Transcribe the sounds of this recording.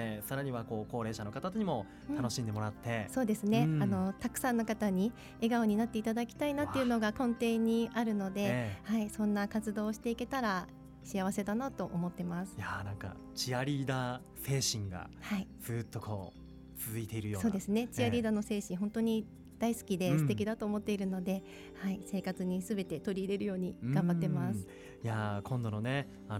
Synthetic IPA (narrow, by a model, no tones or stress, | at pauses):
esaɾaɲ̟iβako̞ːko̞ːɾe̞ːɕano̞kat̪at̪oɲ̟imo̞ | t̪ano̞ɕĩnd̪e̞mo̞ɾat̪ʰːe̞so̞ːd̪e̞sɨne̞ano̞t̪akɯ̟̥sãnːo̞kat̪aɲ̟i | e̞ɡaoɲ̟inat̪ːe̞it̪ad̪akʲi̥t̪ainat̪ːe̞iɯ̟no̞ɡakõnt̪ẽ̞ɲ̟ːiʔaɾɯ̟no̞d̪e̞haisõ̞nːakat͡sɨd̪o̞ːɕi̥t̪e̞ike̞t̪aɾa | ɕiaβ̞ase̞d̪anat̪o̞ʔomo̞t̪ːe̞masɨ̥janãŋka̰ | t͡ɕiaɾʲiːd̪a | se̞ːɕĩŋɡa̰ | haid͡z̥ɨːt̪ːo̞kʰo̞̰ː | t͡sɨzɨit̪e̞iɾɯ̟joːso̞ːd̪e̞sɨne̞t͡ɕiaɾʲiːd̪ano̞se̞ːɕĩɰ̃ɦõ̞nt̪o̞ɲ̟i | d̪̥aisɨ̥kʲid̪e̞sɨ̥t̪e̞kʲid̪at̪o̞ːmo̞t̪ːe̞iɾɯ̟no̞d̪e̞ | haise̞ːkat͡sɨɲ̟isɨbe̞t̪e̞t̪o̞ɾʲiːɾe̞ɾɯ̟jo̞ːɲ̟iɡ̥ãmbat̪ːemasɨ̥ | jakʰõ̞nd̪o̞no̞ne̞ | a